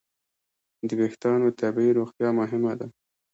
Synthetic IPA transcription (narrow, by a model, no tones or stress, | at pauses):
d̪əbext̪ɑnot̪abiɾoxt̪jɑmʊɦɪmad̪a